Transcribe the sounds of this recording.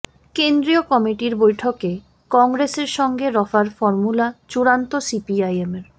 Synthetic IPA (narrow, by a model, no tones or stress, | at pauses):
kend̪ɾiokɔmiʈiɾbojʈʰoke | kɔŋɡɾeseɾʃɔŋɡeɾɔfaɾfɔɾmulat͡ɕuɾant̪osipiajemeɾ